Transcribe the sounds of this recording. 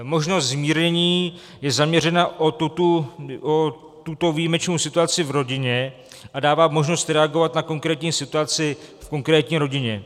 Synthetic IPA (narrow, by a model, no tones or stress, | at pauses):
mo̞ʒnost̪zmiːɾɲɛɲiː | jɛzamɲɛr̝ɛnaʔouuo | t̪ut̪o̞vijimɛt͡ʃnowsɪt̪uat͡sɪvɾo̞ɟɪɲɛ | ʔadaːvaːmo̞ʒno̞st̪ɾɛaɡo̞vat̪nako̞ŋkɾɛːt̪ɲiːsɪt̪uat͡sɪfko̞ŋkɾɛːt̪ɲiːɾo̞ɟɪɲɛ